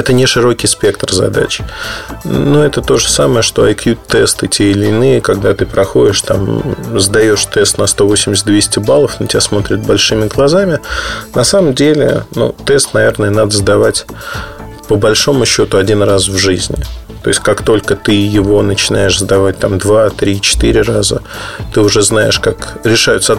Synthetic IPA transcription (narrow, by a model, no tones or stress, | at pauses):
ɛt̪ənʲɪʂɨɾo̞kʲɪjspʲe̞kt̪rzɐ̰d̪a̰t͡ɕ | nuɛt̪ət̪o̞ʐəsaməjəʂt̪o̞ɐ̰jkjut̪ːɛst̪ɨtʲeɪlʲɪnɨjəkɐɡd̪at̪ɨpɾɐxo̞dʲɪʂt̪a̰mzd̪ɐjo̞ʂt̪ɛst̪nɐst̪o̞vo̞sʲɪmʲɪs̬ʲt̪̚ʲd̪vʲesʲtʲɪbalˠəfnotʲɪasmo̞t̪ɾʲɪt̪̚bɐlʲʂɨmʲɪɡlˠɐzamʲɪnɐsaməmdʲelʲɪ̰nṵt̪ɛst̪nɐvʲe̞rnəjənad̪əzd̪ɐvatʲ | pəbɐlʲʂo̞mʊɕːo̞t̪ʊɐdʲinrasvʐɨzʲnʲɪ̰ | t̪o̞̰ɪsʲtʲkakt̪o̞lʲkət̪ɨjɪvo̞nət͡ɕɪnajɪʂzd̪ɐvat̚ʲt̪amd̪vat̪ɾʲit͡ɕɪ̥t̪ɨɾʲɪrazət̪ɨʊʐɛznaɪ̰ʂkakɾʲɪʂajʊt̪səɐ